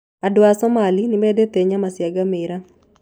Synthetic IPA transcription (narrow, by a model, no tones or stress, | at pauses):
adwasɔmalinɪmedet̪eɲamasjaɡamɪɾa